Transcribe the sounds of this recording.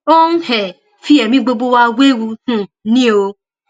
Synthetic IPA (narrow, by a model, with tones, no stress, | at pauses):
o˦n̩˦hɛ˨ | fi˦ɛ˨mĩ˦ɡ͡bo˧ɡ͡bo˦˧wa˧we˦wu˧hũ˦˨nĩ˦o˧